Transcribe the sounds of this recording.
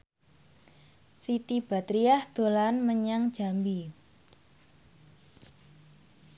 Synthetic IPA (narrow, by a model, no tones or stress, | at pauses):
sit̪ib̥a̤t̪ɾiahd̪̥o̤lanməɲaŋd̥ʒ̥a̤mbi